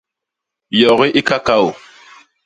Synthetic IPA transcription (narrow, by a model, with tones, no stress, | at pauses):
jɔ˨ɣi˦ʔi˦ka˦ka˦o˨